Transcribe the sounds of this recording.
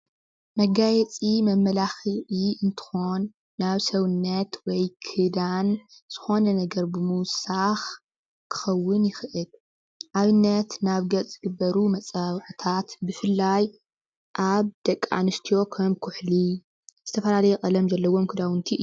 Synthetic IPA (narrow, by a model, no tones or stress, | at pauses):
mɐɡajɛt͡sʼimɐmːɐlaxiʔiʔɨnt̪ʰɨ̥xo̞nː | aβsɐwnːɐt̪wɔjkʰɨd̪an | z̥ɨ̥xo̞nɐnɐɡɐɾbɨmuwsax | kʰɨ̥xɐwːɨnjɪxʔɨl | ʔaβɨnːɐt̪naβɡɐt͡sʼːɨɡɨbːɐɾumɐt͡sʼaβʕt̪ʰat̪bɨfɨlːaj | ʔaβd̪̥ɐkʼːa̰nɨst̪ʰijo̞kʰɐmkʰʊħli | z̥ɨt̪ʰɐfɐlalɐjɛkʼɐlɐmzɐlːɐwo̞mkʰɨd̪awɨnt̪ʰiɨ